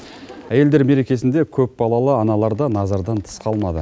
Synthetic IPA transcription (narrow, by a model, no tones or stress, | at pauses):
æje̞ld̪e̞ɾme̞ɾe̞kʲe̞sɪnd̪e̞kʲʰɵp̚bɑlˠɑlˠəɑnɑlˠɑɾd̪ɑnɑzɑɾd̪ɑnt̪ʰə̥sqʰɑlˠmɑd̪ə̰